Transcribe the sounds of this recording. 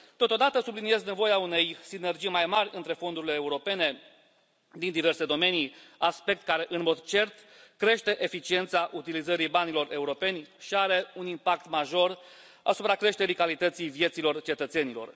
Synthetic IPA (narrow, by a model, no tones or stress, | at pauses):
t̪o̞t̪o̞d̪at̪əsublinie̞zne̞vo̞jaune̞jsine̞rd͡ʒijmajmarʲɨnt̪ɾe̞fo̞nd̪uɾile̞ːuɾo̞pe̞ne̞ | d̪ind̪ive̞rse̞d̪o̞me̞niaspe̞k̚t̪kaɾe̞ʔɨnmo̞d̪t͡ʃe̞rt̪ | kɾe̞ʃt̪e̞ʔefit͡ʃie̞nt̪saʔut̪ilizəɾibanilo̞re̞uɾo̞pe̞nʲʃiaɾe̞unimpakt̪maʒo̞r | a̰supɾakɾe̞ʃt̪e̞ɾikalit̪ət̪sijvije̞t̪silo̞rt͡ʃe̞t̪ət̪se̞nilo̞̰r